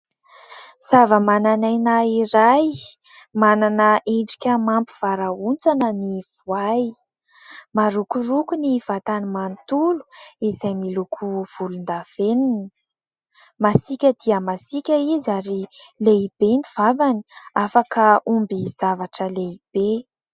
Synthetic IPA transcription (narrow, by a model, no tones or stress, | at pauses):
z̥avəmananajnaiɾaj | mananəʔeɳɖ͡ʐi̥kʲəmampu̥v̥aɾaunt͡sanəniv̥waj | maɾukurukuniv̥at̪animant̪ulu̥izajmilukʰuv̥ulund̪av̥enini | masikʲəd̪iəmasikʲəizaɾileib̥enivavaniafakəumbiz̥avaʈ͡ʂəleib̥e